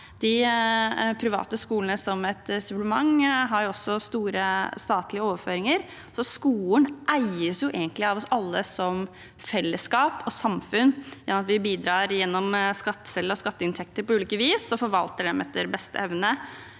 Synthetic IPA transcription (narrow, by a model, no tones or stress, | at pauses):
d̪̥ɪ | pʰɾɪʋɑ̰ːt̪əskuːlənəsɔmɛt̪sʉʋləmɑŋɦɑɾjʊɔsːɔst̪uːɾəst̪ɑːt̪lɪəoːʋəɾføːɾɪŋəɾ | sɔskuːlənʔæɪəsjʊʔeːɡənt̪lɪɑʋɔsɑlːəsɔm | fɛlːəskɑːpɔsɑmfʉnjɑnɑt̪ʋɪbiːd̪ɾɑːɾjɛnːɔmskɑt̪ːə̥sɛlːəɾɔskɑt̪ːəɪnt̪ʰɛk̚t̪əɾpɔʉːliːkəʋiːsɔfɔɾʋɑlt̪əɖɛmʔɛ̰t̪ʰːəɾbɛst̪ʰə̰ɛʋnə